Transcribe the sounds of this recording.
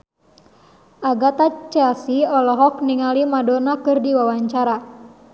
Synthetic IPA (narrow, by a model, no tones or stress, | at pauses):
ʔaɡat̪at͡ʃasiɔlɔɦɔk̚niŋalimadɔnakɨrdiwawaɲt͡ʃaɾa